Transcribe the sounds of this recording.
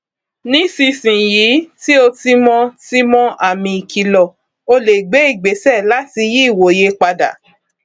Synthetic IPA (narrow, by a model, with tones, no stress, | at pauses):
nĩ˦si˧sĩ˨ji˨˦ti˦o˧ti˧mɔ̃˧ti˦mɔ̃˦a˦˨mĩ˧i˨kʰi˧lɔ˨ | o˧le˨ɡ͡be˨˦i˦˨ɡ͡be˨˦sɛ˦˨la˨˦ti˧ji˦i˦˨wo˨je˧k͡pa˧da̰˨